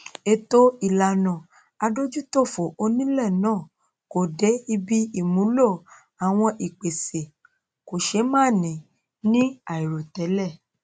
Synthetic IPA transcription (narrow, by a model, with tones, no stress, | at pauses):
e˧to˦i˨la˨nɔ̃˨ | a˧do˦d͡ʒu˦to˦˨fo˨o˧nĩ˦lɛ˦˨nãː˦˨ | ko˨de˨˦i˧bi˦i˦˨mũ˨˦lo˦˨ | a˨w̃ɔ̃˧ʔi˨k͡pe˨se˨ | ko˨ʃe˨˦mãː˦˨nĩ˨ | nĩ˦a˨i˨ɾo˨tɛ˨˦lɛ˦˨